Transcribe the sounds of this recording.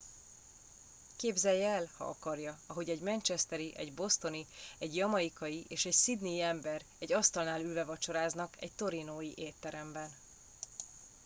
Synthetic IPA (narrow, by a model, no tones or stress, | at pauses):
keːbzɛjːɛɛlhɒ̰ʔɒkɒrjɒɒɦo̞ɟɛɟmɛnt͡ʃɛst̪ɛɾiʔɛ̰ɟbo̞st̪o̞niɛɟjɒmɒjikɒjiʔeːʃɛcsid̪niːɛmbɛɾɛɟɒst̪ɒlnaːlylvɛvɒt͡ʃo̞ɾaːznɒkɛ̰c̚t̪o̞ɾinoːjiʔeːt̪ːɛɾɛmbɛn